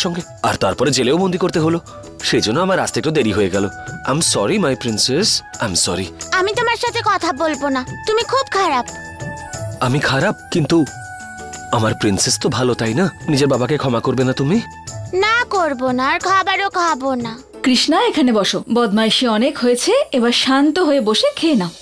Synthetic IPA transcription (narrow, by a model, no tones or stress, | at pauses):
ʃɔŋɡe | a̰ɾt̪aɾpɔɾed͡ʑeleobond̪ikoɾt̪eɦolo | ʃejd͡ʑonːoamaɾast̪ek̚t̪od̪eɾiɦoeɡɛloa̰jmsɔɾimajpɾinsesajmsɔɾiamit̪omaɾʃat̪ʰekɔt̪ʰabolbonat̪umikʰub̚kʰaɾab̚ | amikʰaɾab̚kint̪u | amaɾpɾinsest̪obʱalot̪ajnanid͡ʑeɾbabakekʰɔmakoɾbenat̪umi | nakoɾbonaɾkʰabaɾokabona | kɾiʃnaekʰanebɔʃobɔd̪majʃeɔnekɦojet͡ɕʰeebaɾʃant̪oɦoeboʃekʰena